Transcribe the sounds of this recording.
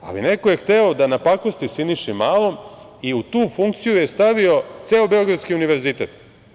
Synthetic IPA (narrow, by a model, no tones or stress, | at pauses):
a̰lḭnekojext̪eod̪anapakost̪isiniʃimaːlom | iut̪uːfuŋk̚t̪sijujest̪aʋio̞t̪seːobeo̞ɡɾad̪skiuniʋeɾzit̪e̞ːt̪